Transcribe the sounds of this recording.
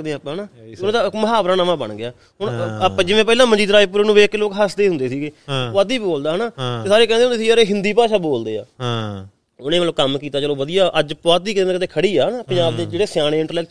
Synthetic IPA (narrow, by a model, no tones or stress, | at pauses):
d̪ẽpːãːnaːʊnẽːt̪aːɪkməɦaːbɾaːnaːmãːbə̰ɳɡɪaː | ɦʊɳpːaːd͡ʒɪʋẽːpɛːlãːməd͡ʒiːd̪ɾaːiːp̬ʊɾeːnũːʋeːkːloːkɦəsd̪eːɦʊ̃nd̪eːsiːɡeːad̪iːbiboːld̪aːɦənaːt̪eːsaːɾeːkɛ̃ːnd̪eːʊ̃ndeːsiːəɾeːɦɪnd̪iːpaːʃaːboːld̪eːa̰ː | ʊnẽːəlːkəmkiːt̪aːt͡ʃəloːʋəd̪ijaːʔəd͡ʒpoaːt̪iːkɪːẽkɪt̪eːkʰəɽiːaːɦnaːpɪɲd͡ʒaːbd̪eːd͡ʒeːɽeːsjaːɽ̃eːɪɳʈəɾlɛːk